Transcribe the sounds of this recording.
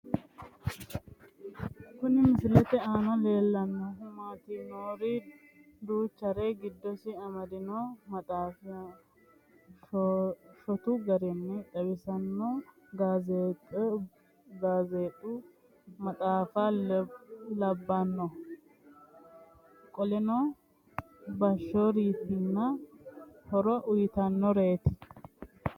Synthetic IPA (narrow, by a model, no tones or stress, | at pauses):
kʊnɪmɪsɪlɛt̪ɛaːnɐle̞ːlːɐnːɔmaːt̪inoːɾi | d̪uːt͡ʃːɐɾeːɡɪd̪ːɔsɪɐmɐd̪ɪnomɐtʼaːf | ʃɔt̪ʊɡɐɾɛnːɛᶑ̪ɐbɪsɐnːo | ɡaːzeːt̪ʼɛ | ɡaːzeːt̪ʼʊ | mɐt̪ʼaːfa | lɐbːɐnːɔ | kʼɔlɛnɔ | bɐʃːoɾiːpːɪnːɐ | hɔɾɔʔʊjɪt̪ɐnːɔɾeːt̪ɪ̥